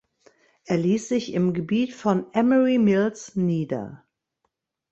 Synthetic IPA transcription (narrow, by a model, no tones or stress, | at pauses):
ʔeːɐliːsz̥ɪçɪmɡəbiːtfɔnʔɛməʁimɪlsniːdɐ̰